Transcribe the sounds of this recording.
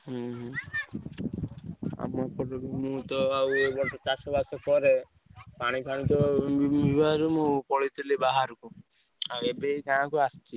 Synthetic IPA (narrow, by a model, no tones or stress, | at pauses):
ɦ | a̰mɔpɔɾɔkmũt̪ɔawebɔɾɔt͡ʃasɔbasɔkɔɾe | paɽ̃ipʰaɽ̃it̪ɔbibʱaɾmũpɔɭit̪ʰilebaɦaɾku | aebekaãkuast͡ʃʰi